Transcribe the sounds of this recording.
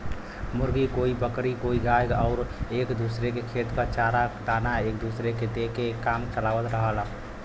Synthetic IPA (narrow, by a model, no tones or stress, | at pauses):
muɾɡikoibəkɾikoiɡajɡəʊɾekd̪usɾekekʰet̪kət͡ʃaɾad̪anaek̚d̪usɾeked̪ekekamt͡ʃəlaʋət̪ɾəɦəl